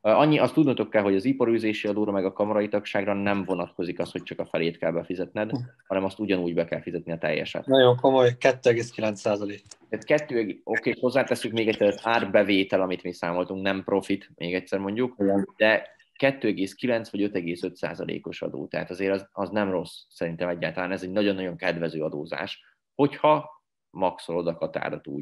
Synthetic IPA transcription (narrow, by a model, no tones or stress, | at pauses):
ɒɲːiʔɒst̪ːud̪nt̪o̞kːɛlɦo̞ɟɒzipɒɾyːzeːʃiɒd̪oːɾɒmɛɡɒkɒmɒɾɒjit̪ɒkʃaːɡrɒnɛɱvo̞nɒt̪ko̞zikɒst̪ho̞c̚t͡ʃɒkɒfɛleːt̪kɛlbɛfizɛt̪nɛd̪hɒnɛmɒst̪uɟɒnuːɟbɛkɛlfizɛt̪niɒt̪ɛ̰jːɛ̰ʃɛ̰t̪nɒjoŋkomo̞jkɛt̪ːøɛɡeːskilɛnt̪saːzɒleːk̪ɛːt̪kɛt̪ːøːɛo̞keːho̞zːaːt̪ɛsːykmeːɡɛct̪sːɛɾɛzaːrbɛveːt̪ɛlɒmit̪miːsaːmo̞lt̪uŋknɛmpro̞fit̪mʔeːɡɛct̪ʲsɛrmo̞ɲɟukd̪̥ɛ | kɛt̪ːøːɛɡeːskilɛnt̪sʋɒɟø̞t̪ɛɡeːsø̞t̪sa̰ːzɒlḛːko̞ʃɒ̰d̪o̰ːt̪ɛɦa̰t̪ɒzeːɾɒzɒznɛmro̞sːɛɾint̪ɛmɛɟːaːlt̪ɒlaːnɛzɛɟnɒɟo̞nːɒɟo̞ŋkɛd̪vɛzøːɒd̪oːza̰ːʃ | ho̞chɒ | mɒksolod̪ɒkɒt̪a̰ːɾot̪ṵːɟ